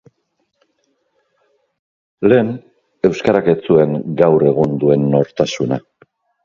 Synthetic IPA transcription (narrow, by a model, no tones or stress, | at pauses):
le̞ːn | e̞wskaɾake̞t͡sue̞ŋɡawre̞ɣund̪ue̞nːo̞ɾt̪asuna̰